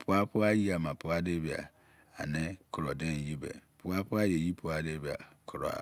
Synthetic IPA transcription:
pʰʊ˦a˦pʰʊ˦a˦ji˦a˨mã˨pʰʊ˨˦a˦de˦bi˨a̰˨ | a˨nɪ̃˦kʰʊ˨ɾɔ˨dɛ̃˦˨ji˦bɛ̰˨pʰʊ˦a˦pʰʊ˦a˦jɛ˨ji˦pʰu˨˦a˦de˦bi˨a̰˨kʰʊ˨ɾɔ̰˨a̰˨

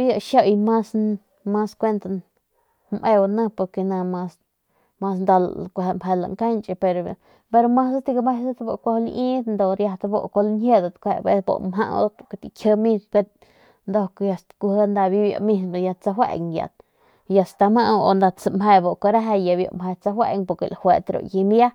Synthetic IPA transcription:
bja˧˨ʃo˦jma˦s | ma˦skʷe˦nt̪a˧ | mʔe˧wa˧na˦po˧ɾke˧na˧ma˧s | ma˧snd̪a˧lkʷmhe˧la̰˧ŋka˦nt͡ʃʼe˧pe˧ɾ | be˧ɾo˧ma˦sa˦t̪i˧ɡa˧me˧sa˦t̪bo˧˨kʷo˧hlʔi˦t̪nd̪o˨ɾja˧t̪bo̰˧ko˧lnhe˦d̪a˨t̪kʷhe˧be˧sbo̰˧˨mɦa˦˧ʔo̰˦t̪ka˧t̪i˧kʰʲə˧mi˦be˧t̪̚ | nd̪o˧kja˧st̪ku˧hə˦nd̪a˧bi˦bja̰˧mi˧nba˨ja˧t͡sa˧ɦwḛ˧ŋja̰˨t̪ | ja˧st̪a˧ma˦ʔo̰˧nd̪a˧t͡sa˧mɦe˧bo˧˨ka˧ɾa˦ɦa˧ja˨bjo̰˧˨mhe˧t͡sa˧hwḛ˧ŋpo˧ɾkḛ˧˨la˨hwe˧t̪ɾo̰˨ji˧mja˦

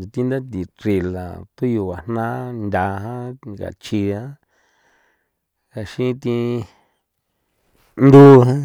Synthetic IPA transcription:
t̪i˧nd̪a˦t̪̬i˨ɾi˧˨la˨t̪u˦ju˧˨wa˨n̥nã˦nd̪ʲa˨˧ɦã˦ka̰˨t͡ʃi˧ã˦ | ka˨ʃĩ˦˧t̪i˧ | nd̪u˦ɦã˦

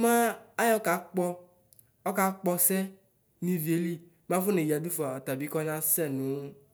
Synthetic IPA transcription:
mã˦a˦jɔ˦ka˨˦k͡pɔ˦ | ɔ˦ka˨˦k͡pɔ˦sɛ˦ | nĩ˦vi˨e˨˦li˦ | mã˦fu˦ne˨ji˨a˨du˦fa˨ɔ˨t̪a˨bi˨˦kɔ˦nã˦sɛ˦˨nũ˨˦

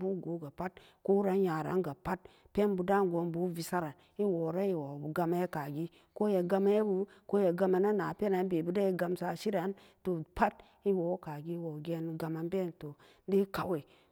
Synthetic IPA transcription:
bu˦ɡo˨˦ɡa˨pa˦t̚ | ko˦ɾa˨˦ja˨ɾa̰˨˦nɡa˨pa˦t̚ | pe˦nbu˨da˦ɡo˨˦nbu˦vi˨sa˦ɾa˨n | i˦wo˨ɾa˦i˨wo˨u˨ɡa˧ma˦je˦ka˨ɡi˦ | ko˦ja˨ɡa˧ma˦je˦bu˨ko˦je˨ɡa˧ma˨na˦na˨pe˦na˨˦nbe˨bu˨˦da˦i˨ɡa˧msa˨˦ʃi˦ɾa˨˦n | to˨pa˦t̚ | i˦wo˨˦ka˨ɡi˦wo˨ɡe˨n˨ɡa˨ma˨nbe˦˨nto˨˦ | di˦ka˨we˨

